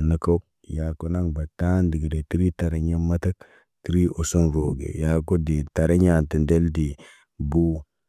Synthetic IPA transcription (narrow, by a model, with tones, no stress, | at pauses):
na˦ko˦ | ja˨ko˦na˦ŋba˨ta˦ndi˨ɡi˨de˨ti˦ɾi˦ta˨ɾe˨ɲe˦mːa˦ta˦k̚ | ti˦ɾi˦o˨so˦nɾo˨ɡḛ˨ja˨ko˦di˨ta˨ɾe˦ɲa˨nti˨nde˦ldi˨ | buː˦